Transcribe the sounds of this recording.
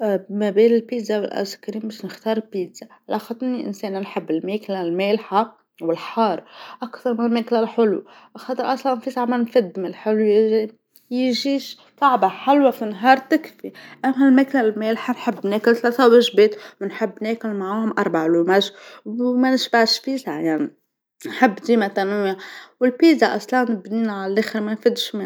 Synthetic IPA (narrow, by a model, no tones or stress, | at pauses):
mabeːnɪlpiːd̪zawɪlʔa̰zkaɾiːnbaʃnɪxt̪ɑːɾˤpiːd̪z̥aalʔaxɑt̪ˤːniʔɪ̰nseːnanħɪbːɪlmeːklalmeːlħa | wɪlħɑːɾˤʔakt̪ɑɾˤmɪnɪlmeːklalħʊlṵ | ʔxɑt̪ˤɨɾʔɑsˤlɑnfisaʕamanfɪd̪ːmɪlħʊlu | jʒiːʃ | sˤɑʕbaħalwafinɦɑːɾˤt̪ɪkfiʔamːalmeːklalmeːlħanħɪbːneːkɪlt̪laːθawɪʒbeːt̪wɪnħɪbːneːkɪlmaʕaamʔɑɾˤbaʕlumaʒwmanɪʃbaʕʃfiːsʕajaʕni | nħɪbːd̪iːmat̪anɪjawɪlpiːzaʔɑ̰sˤlɑnbniːnaʕallʔeːxɪɾmanfid̪ʃme